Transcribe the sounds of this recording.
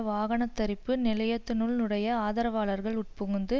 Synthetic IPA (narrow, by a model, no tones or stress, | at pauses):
ʋaːɣɐɳɐt̪ːɐɾɪpːɯnɪlɐjɐt̪ːɯnʊɭnɯɽɐjɐaːðɐɾɐʋaːɭɐɾɣɐɭʊʈ̚pɯɣɯnd̪ɯ